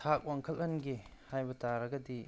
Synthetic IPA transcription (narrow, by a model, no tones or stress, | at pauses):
tʰak̚waŋkʰɐlɐnɡihajbɐtaɾɐɡɐdi